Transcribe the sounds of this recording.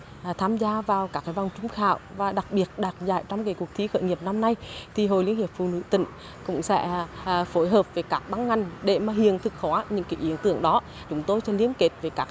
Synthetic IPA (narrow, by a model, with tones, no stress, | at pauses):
t̪ʰaː˧mzaː˧vaː˨˩wkaː˦˥kːaː˨˦jva˧˩wŋ͡mt͡ɕʊ˨˦ŋ͡mxa̰ː˧˨wvaː˨˩ɗa˨˩k̚ɓi˨˩ət̚ɗa̰ː˨˩t̚za̰ː˧˨jt͡ɕɔ˧wŋ͡mke˨˩ku˨˩ək̚t̪ʰi˨˦xə̰˧˨jŋi˨˩əp̚na˧mna˧jt̪ʰi˨˩ɦo̰˧˨jlḭ˧˥əŋhi˨˩əp̚fṵ˧˨nɨ̰˧˥t̪ḭ̈˧˨ŋ̟ | kʊ̰˧˥ŋ͡msɛ̰˧˥fo˨˦jɦəː˨˩p̚ve˨˩kaː˦˥k̚ɓa˧˦ŋŋa˨˩jŋ̟ɗe˧˩maː˨˩ɦi˨ənt̪ʰɨ˨˩k̚xɔ˨˦ɲɨ̰˧˥ŋki˨˦ʔi˨˦ənt̪ɨ˧˨əŋɗɔ˨˦ | t͡ɕʊ˨˦ŋ͡mt̪o˧jt͡ɕɔ˧li˧˦ənke˨˩˥t̚ve˨˩kaː˦˥k̚